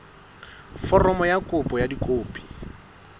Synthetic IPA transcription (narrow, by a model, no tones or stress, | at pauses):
fɔrɔmɔjakʼʊpʼɔjadikʼoːpʼi̥